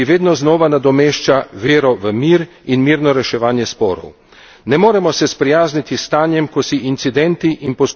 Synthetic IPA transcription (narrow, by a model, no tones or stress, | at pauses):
iʋeːd̪nɔznɔːʋanad̪ɔmeːʃt͡ʃaʋeːɾɔʋəmiːɾ | inmiːɾnɔɾɛʃɛʋaːnjɛspɔːɾɔ̰w | nɛmoːɾɛmɔsɛspɾɛjaːznit̪ist̪aːnjɛmkɔsiint̪sid̪ɛnt̪iʔinpɔs